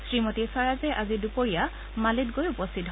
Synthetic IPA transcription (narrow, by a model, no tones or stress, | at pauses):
sɹimɔtisaɹazɛʔazidupoɹija | malitɡojupɔstʰit